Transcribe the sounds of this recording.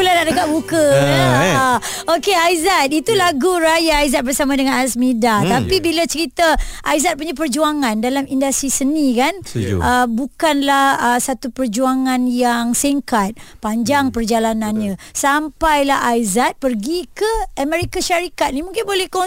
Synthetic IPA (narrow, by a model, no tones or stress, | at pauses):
ulanaʔdəkaʔ̚bukə | okeajzat̪̚it̪ulaɡuɾajaːjzat̪̚bərsamãdəŋanasmidat̪apibilat͡ʃəɾit̪aʔajzat̪̚puɲap̬ərd͡ʒuaŋandalamindast̪ɾisənĩkanʔəbukanlahəsat̪upərd͡ʒuaŋanjaŋsiŋkat̪̚paɲd͡ʒaŋpərd͡ʒalananɲə̃sampajlahajzat̪̚pərɡikəamɛɾikaʃaɾikat̪̚nimuŋkɪnbolɛhko